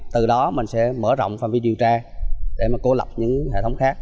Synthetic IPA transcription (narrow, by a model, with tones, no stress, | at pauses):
t̪ɨ˨˩ɗɔ˨˦mï˨˩ŋ̟sɛ̰˧˥məː˧˩zɔ̰˧˨wŋ͡mfaː˧˩mvi˧˦ɗi˨˩əwt͡ɕaː˧ɗe˧˩maː˨˩ko˨˧˦lə˨˩wk͡p̚ɲɨ̰˧˥ŋɦḛ˧˨t̪ʰə˨˦wŋ͡mxaː˦˥k̚